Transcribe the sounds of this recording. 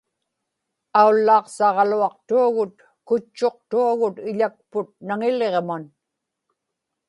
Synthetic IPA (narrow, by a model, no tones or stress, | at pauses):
aulːɑːqsɑʁluɑqt̪uaɣʊt̪ | kʊt͡ʃːo̞q̚t̪uaɣʊt̪ɪʎak̚pʊt̪̚naŋɪleʁman